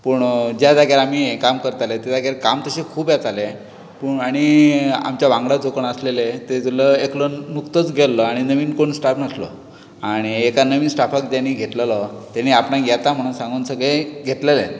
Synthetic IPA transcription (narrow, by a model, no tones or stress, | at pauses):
pəɳd͡ʑad̪aɡjaɾam̤ikamkəɾt̪alet̪ed̪aɡjaɾkamt̪əɕekʰuːpjat͡s̪ale | pəːɳaɽ̃ia̰mt͡ɕjaʋãŋɡɽad͡zokəɳəslelet̪et̪uləeklənukt̪ət͡sɡʱelːəaɽ̃inəʋiːnkoɳsʈapnəslɔ̰ | aɽ̃iekanəʋiːnsʈapʰakd̪aniɡʱet̪ləlɔt̪aniapnaɡjat̪am̤əɽ̃ũːnsãŋɡuːnsəɡɭeɡʱet̪lele